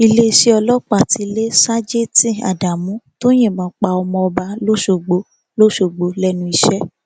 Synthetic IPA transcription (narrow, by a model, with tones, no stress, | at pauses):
i˧le˦˧ʃe˦ɔ˧lɔ˦k͡pa˦˨ti˨˧˦le˦sa˦d͡ʒe˦tĩ˦a̰˨da˨mũ˨˦to˦j̃ẽ˦˨mãː˨˦k͡pa˧ɔ˧mɔ̃˧ɔ˧ba˧˦lo˦ʃo˦˨ɡ͡bo˨˦ | lo˦ʃo˨ɡ͡bo˨˦lɛ˦nũ˧˦i˧ʃɛ˦